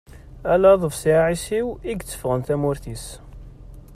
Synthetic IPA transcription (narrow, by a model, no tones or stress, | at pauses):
ælæðˤəvsiʕisiwiɡt͡sːə̥fʁənt̪æmʊɾθis